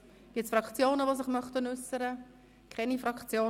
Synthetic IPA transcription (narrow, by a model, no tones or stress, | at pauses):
ɡ̥ɪtsfɾɑkt͡sjoːnəʋosɪχmœχtənʉsəɾə | kʰɛnifɾɑkt͡sjoː